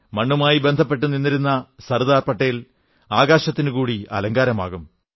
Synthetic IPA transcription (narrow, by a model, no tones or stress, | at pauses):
mɐɳːumaːjibe̞nd̪ʱɐp̬ːe̞ʈːuninːiɾunːɐsɐrud̪aːrpɐʈːɐjil | aːɡaːɕɐt̪ːinukuːɽiɐ̰lɐŋɡaːɾɐmaːɣum